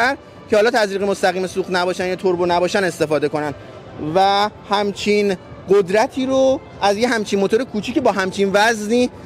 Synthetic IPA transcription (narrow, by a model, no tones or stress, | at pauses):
æɾ | cʰehɒːlɒːt̪ʰæzɾiːɣemost̪æɣiːme̞suːχnæbɒːʃænjɒːt̪ʰoɾbonæbɒːʃæne̞st̪e̞fɒːd̪e̞ko̞nænd̪ | væhæmt͡ʃʰinɢod̪ɾæt̪ʰiːɾo | æzjeɦæmt͡ʃʰinmo̞t̪oɾekʰuːt͡ʃʰiːcʰebɒːɦæmt͡ʃʰinvæzniː